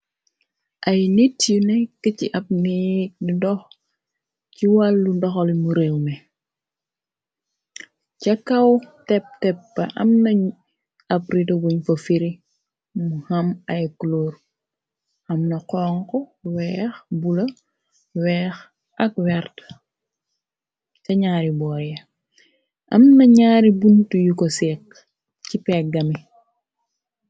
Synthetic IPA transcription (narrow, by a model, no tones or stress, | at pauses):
ʔɐjnitjunɛkəciʔɐp̚nik̚ndɔx | ciwalːundɔxɔlmuɾewnɛ | cɐkɐwtɛp̚tɛpːɐʔɐ̰mnɐɲ | ɐpɾidɐɡuɲfɐfiɾi | muhɐmɐjkloːr | ɐmnɐqɔːŋkɔwɛːxbulɐ | wɛːx | ʔɐk̚wɛrt | cɐɲaːɾibɔːjɐ | ʔɐ̰mnɐɲaːɾibuntujukɔsɛːk̚ | cipɛk̚ɡɐmi